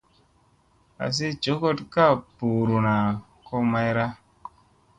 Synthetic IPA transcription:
a̰˨s̬e˦t͡ʃo˨˦ko˦tka˦˨pu˨ɾu˨na˨ | ko˦ma˦jɾa˦

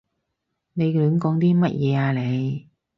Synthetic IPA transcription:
ne˨˧jkœː˨˥mkɔː˨˥ŋt̪iː˥mɐ˥t̚jɛː˨˧aː˨˧le˨˧j

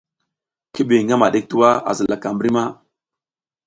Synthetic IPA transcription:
ki˦bi˨ŋɡa˦ma˨ɗe˦k̚tu˦wa˦a̰˨zə˨la˨ka˨mbɾi˦ma˦

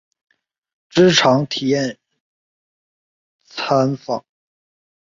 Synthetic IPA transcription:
ʈ͡ʂɻ̩˥ʈ͡ʂʰɑ˧˥ŋt̪ʰi˨˩jɛ˥˩n | t͡sʰa˥nfɑ̰˨˩˦ŋ

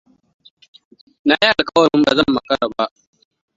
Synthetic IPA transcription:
na˨ji˦ʔa˨lkʼɐ˦wɐ˨ɽʊ˦mba˨zɐ˦mːɐ˨kɐ˦ɽa˨ba˦ʔ

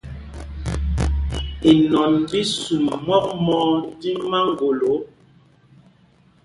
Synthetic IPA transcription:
i˨nɔ˨nbi˦su˨mmɔ˦k̚mɔ˦ti˦ma˦ŋ˨ɡo˨lo˨˦

